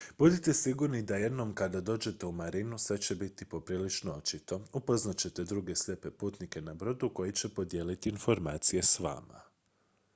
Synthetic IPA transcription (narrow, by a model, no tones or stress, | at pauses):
b̥ud̪it̪e̞siɡuɾnid̪aje̞d̪no̞mkad̪ad̪o̞ːd͡ʑe̞t̪e̞umaɾinusʋe̞t͡ɕe̞bit̪ipo̞pɾiːlit͡ʃnoo̞t͡ʃit̪o̞upo̞znat͡ɕe̞t̪e̞d̪ɾuɡe̞slʎʲepe̞puːt̪nike̞nabɾo̞d̪uko̞jit͡ɕe̞po̞d̪je̞ːlit̪iːnfo̞ɾmaːt̪sije̞sʋa̰ːma̰